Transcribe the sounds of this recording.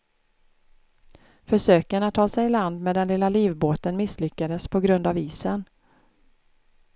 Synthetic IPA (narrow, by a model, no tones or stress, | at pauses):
fœʂøːkənat̪ʰːɑːsɛjɪland̪mɛd̪ɛnlɪlːaliːvboːt̪ənmɪslʏkːad̪əspʰɔɡɾɵnd̪aviːsən